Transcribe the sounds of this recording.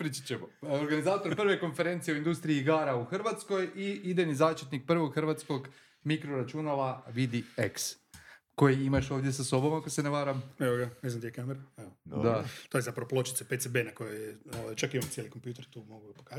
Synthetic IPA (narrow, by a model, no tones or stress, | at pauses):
pɾit͡ʃi̥t͡ɕemooɾɡanizaːt̪o̞ɾpr̩ʋe̞ko̞nfe̞ɾe̞nt̪sijeoind̪ust̪ɾiiiɡaːɾauxrʋat̪sko̞jiid̪enizaːʃt̪it̪nik̚pr̩ʋo̞ɡxrʋat̪sko̞ɡ | mikɾoɾat͡ʃunalaʋid̪ieks | ko̞jeimaʃo̞ːʋd̪ʲjesaso̞bo̞makoseneʋaːɾameʋoɡaneznamd̪ijekameɾaed̪at̪ojezapɾɐʋoplˠo̞t͡ʃit̪sepet̪sebenako̞jojeoːʋajt͡ʃakimamot̪jeliko̞mpjuːt̪eɾt̪uːmo̞ɡuɡapokaz